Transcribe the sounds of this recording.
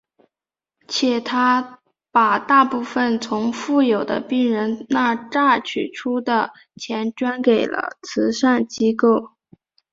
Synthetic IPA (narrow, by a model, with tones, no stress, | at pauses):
t͡ɕʰjɛ˨˩t̪ʰa˥ | pa˨˩t̪a˥˧pu˥˩fə˨˩nt͡sʰʊ˧˥ŋfu˥˩jo˨˩ʊd̪ə̰˦pi˥˩ŋɻə˧˥nna˥˧ʈ͡ʂa˥˩t͡ɕʰy˨˩ʈ͡ʂʰu˥d̪ə˨ | t͡ɕʰjɛ˧˥nʈ͡ʂwa˥nke˨˩ɪlə̰˦t͡sʰɹ̩˧˥ʂa˥˩nt͡ɕi˥ko˥˩ʊ